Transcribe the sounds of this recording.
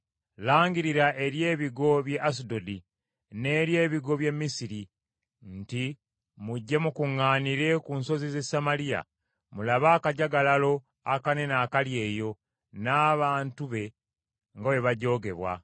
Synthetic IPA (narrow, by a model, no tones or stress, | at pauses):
laːŋɡiɾiɾaʔe̞ɾje̞ːβiɡo̞βje̞ʔas̬ido̞di | ne̞ːɾje̞ːβiɡo̞βje̞mːisiɾi | nti | muɟːe̞mukuŋːaːniɾe̞kunso̞zize̞samalia̰ | mulaβaːkaɟaɡalalo̞ | a̰kane̞naːkalje̞ːjo̞ | naːβaːntuβe̞ | ŋɡawe̞βaɟo̞ːɡe̞βwa̰